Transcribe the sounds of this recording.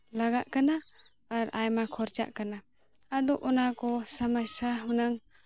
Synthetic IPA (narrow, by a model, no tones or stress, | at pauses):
laɡaʔkanaː | ɾajmakʰɔɾt͡ʃa̰ʔkana | ad̪ɔʔɔnakɔsamasaɦunaŋ